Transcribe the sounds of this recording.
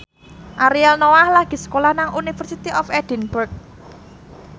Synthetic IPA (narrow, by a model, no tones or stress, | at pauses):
ʔaɾiɛlnowahlaɡ̥i̤sə̥kolahnaŋunifərsit̪iʔɔfɛd̪̥i̤nburk̚